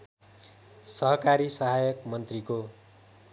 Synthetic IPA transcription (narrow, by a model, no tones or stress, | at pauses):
sʌɦʌkaɾisʌɦajʌkmʌnt̪riko